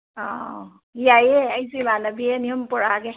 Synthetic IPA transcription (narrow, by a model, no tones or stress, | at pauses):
ɔ | ijajɛajzimanabiɛniɔmpɔɹaɡɛ